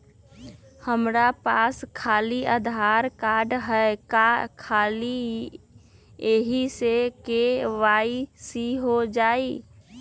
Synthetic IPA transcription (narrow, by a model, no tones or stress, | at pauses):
həmɾapaːskʰaːliəd̪ʱaːɾkaːɖɦɛkakʰaːli | eɦisekeʋaisiɦod͡ʒaːi